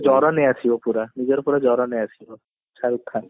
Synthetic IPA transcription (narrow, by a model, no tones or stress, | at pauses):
d͡ʒɔɾɔneat͡ɕʰibopuɾanid͡ʑeɾpuɾad͡ʒɔɾɔneat͡ɕʰibo | t͡ʃʰaɾut̪ʰːan